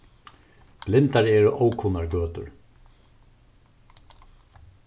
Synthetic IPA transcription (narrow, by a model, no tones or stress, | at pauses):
b̥lɪnt̪aɾɛːɾʊʔɔːwkʰʊnaɹɡøːt̪ʊ̰ɹ